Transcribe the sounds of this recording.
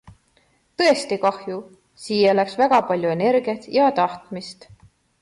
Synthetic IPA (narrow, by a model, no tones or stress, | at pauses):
t̪ɤ̞est̪ikɑhju | siːjelæksvæɡ̥ɑpɑlʲjue̞ne̞ɾɡiɑt̪jɑt̪ɑht̪mist̪